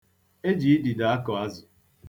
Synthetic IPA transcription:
e˦d͡ʒi˨i˦di˨da˨a˦kɔ˨a˦zʊ˨

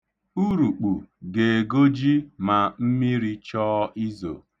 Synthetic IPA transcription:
u˦ɾu˨k͡pu˨ɡe˨e˨ɡo˦d͡ʒi˦ma˨m̩˦mi˦ɾi˦t͡ʃɔː˦ʔi˦zo̰˨

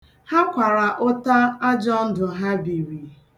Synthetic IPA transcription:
ha˦kʷa˨ɾa˨ʔo˦ta˦a˦d͡ʒɔ˦n̩˦dʊ˨ɦa˦bi˨ɾi˨

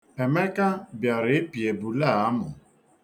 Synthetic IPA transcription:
e˨me˦ka˦bja˨ɾɪ˨˦ɪ˦pi˨e˨bu˨la˦˨a˦mʊ˨

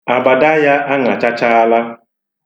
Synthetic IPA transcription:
a˨ba˨da˦ja˦ʔa˦ŋa˨t͡ʃa˦t͡ʃa˦a˦la˦

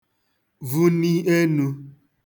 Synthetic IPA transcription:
vu˦ni˦e˦nu˧

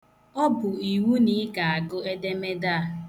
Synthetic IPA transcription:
ɔ˦bʊ˨i˨wu˦ni˨˦ɡa˨a˨ɡʊ˦e˦de˦me˦da˦a˨

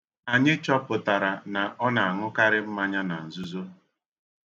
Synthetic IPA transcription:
a˨ɲɪ˦t͡ʃɔ˦pʊ˨ta˨ɾa˨na˨ʔɔ˦na˨a˨ŋʊ˦ka˦ɾɪ˦m̩˦ma˦ɲa˦na˨n̩˨zu˦zo˦

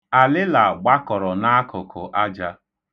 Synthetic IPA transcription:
a˨lɪ˦la˨ɡ͡ba˦kɔ˨ɾɔ˨na˦kʊ˨kʰʊ˨ʔa˦d͡ʒa˦

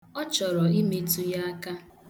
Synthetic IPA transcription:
ɔ˦t͡ʃɔ˨ɾɔ˨i˦me˦tu˦ja˦a˦ka˦

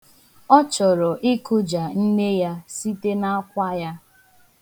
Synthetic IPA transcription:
ɔ˦t͡ʃɔ˨ɾɔ˨ʔi˦kʊ˦d͡ʒa˨n̩˦ne˦ja˦si˦te˦na˦a˦kʷa˦ja˦

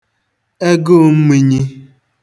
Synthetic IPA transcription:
e˦ɡo˦˨m̩˦mi˦ɲi˦

